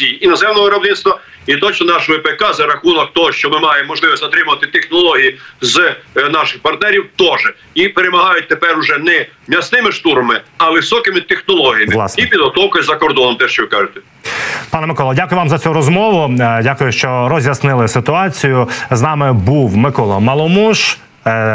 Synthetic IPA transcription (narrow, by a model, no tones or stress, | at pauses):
sʲijinɔzɛmnɔʋʊɾɐbnɪnst̪ʋɐ | it̪ɔt͡ʃnɔnɑʃɔɔpekɑzɐɾɐxunɔk̚t̪ɔɦɔʃt͡ʃɔmɪmɑjemːɔʒlˠɪʋɪsʲzɐt̪ɾɪmʊʋɐt̪ɪt̪exnɔlˠɔɦʲijiznɑʃɪxpɐrt̪nɛɾʲiwt̪ɔʒɛ | ipeɾemɐɦɑjʊt̚ʲt̪epɛɾʊʒɛnɛmʲɐsnɪmɪʃt̪uɾɐmɪɐʋɪwsɔkɪmɪt̪exnɔlˠɔɦijimlˠɑ̰sipʲid̪ɦɔt̪ɔwkɔjzɐkɔrd̪ɔnɔmt̪ɛʃt͡ʃɔʋɪkɑʒɪt̪ɛ̥ | pɑnɛmɪkɔlˠɐdʲakʊjʊʋɑmzɐt͡sʲuɾɔzmɔʋʊdʲakʊjʊʃt͡ʃɔɾɔzʲjɐsnɪlˠɪsɪt̪ʊɑt͡sʲijʊznɑmɪbuwmɪkɔlˠɐmɐlˠɔmuʃ